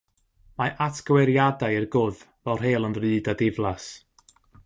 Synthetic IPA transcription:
maʔatʰɡ̥wɛɾjadajɪrɡʊð | vɛlˠr̥eːlˠənrɨːdadɪvlˠas

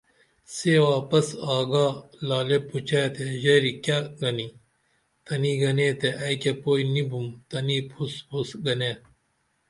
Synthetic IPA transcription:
seːwaːpɐsaːɡaːlaːlepːut͡ɕaːt̪eʑɐɾikaːɡɐni | t̪ɐniːɡɐneːt̪eʔɐjkepoːinibumt̪ɐnipʰuspʰusɡɐneː

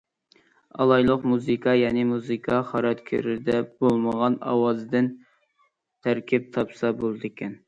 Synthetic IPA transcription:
ɑ̰lˠɑjlˠəqmuzɨkʰɑjɛːnɪmuzɨkʰɑχɑɾɑt̪kʲʰy̰ɾɪd̪ɛbolˠməʁɑnɑ̰wɑzɨd̪ɪn | t̪ʰæɾkʲip̚t̪ʰɑpsɑbolˠɨd̪ɪkʲɛn

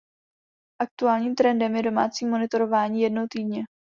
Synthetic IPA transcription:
ʔak̚t̪uaːlɲiːmt̪ɾɛndɛmjɛdo̞ma̰ːt͡siːmo̞nɪt̪o̞ɾo̞vaːɲiːjɛdnowt̪iːdɲɛ

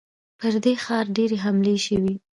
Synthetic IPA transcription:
pəɾd̪exɑɾɖeɾeɦamleʃəwi

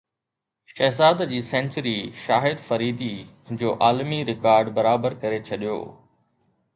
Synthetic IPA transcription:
ʃɐɦzaːd̪d͡ʑiːsɛ̃ːnt͡ɕəɾiʃaːɦɪd̪fɐɾiːd̪i | d͡ʑoːʔaːlmiɾɪkaːɾɖbɐɾaːbəɾkɐɾet͡ɕʰɐɗijo̰ː

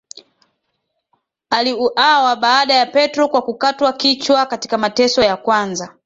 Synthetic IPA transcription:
aliuʔawaɓaːɗajapɛtɾɔkwakukatwakit͡ʃwakati̥kamatɛsɔjakwanza

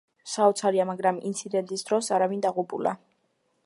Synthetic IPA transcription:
saɔt̪sʰaɾiamaɡɾamḭnt̪sʰid̪ɛnt̪ʼisd̪ɾɔsaɾavind̪aʁupʼula̰

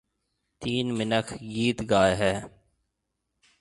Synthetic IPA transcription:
t̪iːnmɪnəkʰɡiːt̪ɡaːeɦɛː

